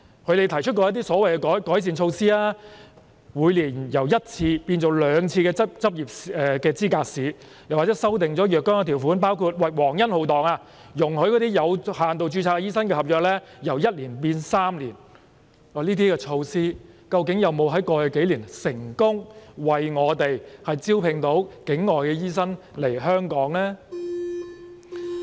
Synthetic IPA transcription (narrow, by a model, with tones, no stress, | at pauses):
kʰɵ˨˧ɥɾe˨jt̪ʰɐ˨˩jt͡ʃʰɵ˥t̚kɔː˧jɐ˥t̪iː˥sɔː˨˥wɐ˨jkɛ˧kɔː˨˥jkɔː˨˥js̬iː˨˩nt͡ʃʰo˧wsiː˥laː˥ | wuː˨˧jliː˨˩njɐ˨˩wjɐ˥t̚t͡sʰiː˧piː˧nt͡so˨˩wlœː˨˧ŋt͡sʰiː˧kɛː˧ɐ˥p̚t͡sɐ˥p̚jiː˨˩p̚sɛː˨˧kɛː˧t͡siː˥kaː˧k̚siː˨˧ | jɐ˨˩waː˨t͡sɛ˨˥sɐ˥wt̪ɪ˨ŋt͡sɔː˨˥jœː˨kːɔː˥ŋaː˧t̪ʰiː˨˩wfuː˨˥npaː˥wkʰu˧t̚wɐ˨jwɔː˨˩ŋjɐ˥nho˨˧wt̪ɔː˨˩ŋaː˧ | jʊ˨˩ŋhɵ˨˥jkɔː˨˧˥t̪iː˥jɐ˨˧whaː˨˩nt̪o˨wt͡ʃyː˧t͡sʰaː˧kːɛ˧˩jiː˥sɐ˥nkɛː˧hɐ˨p̚jœː˨k̚lɛː˥jɐ˨˩wjɐ˥t̚liː˨˩npiː˧nsaː˥mliː˨˩n | ɔː˨˩liː˥t̪̬iː˥kɛː˧t͡ʃʰo˧wsiː˥ | kɐ˧wkɪ˨˥ŋjɐ˨wmo˨˧wɦɐ˨˥jkɔː˧jœ˨˩ke˨˥jliː˨˩nsɪ˨˩ŋkʊ˥ŋwɐ˨jŋɔː˨˧t̪e˨jhɐ˨jt͡siː˥wpʰɪ˨ŋt̪o˨˥wkɪ˨˥ŋːɔː˨jkɛː˧jiː˥sɐ˥n | le˨˩jɦœː˥ŋkɔː˨˥ŋlɛː˥